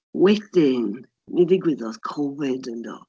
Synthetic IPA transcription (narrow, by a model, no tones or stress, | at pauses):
wɛθɪn | nidɪɡwɪðɔskʰɔvɪdəndɔ̰